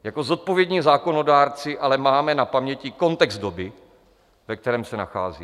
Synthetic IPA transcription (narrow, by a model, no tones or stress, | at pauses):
jako̞zo̞t̪̚po̞vjɛdɲiːzaːko̞no̞daːɾt͡sɪʔalɛmaːmɛnapamɲɛcɪko̞nt̪ɛɡzdobɪ | vɛk̚t̪ɛɾɛːmsɛna̰xa̰ːzḭː